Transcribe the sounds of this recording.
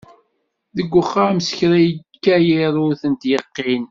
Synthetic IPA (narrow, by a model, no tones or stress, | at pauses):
ðəɡʷːəχamsə̥çɾæjkːæjiɾˤʊθənt̪jəqːin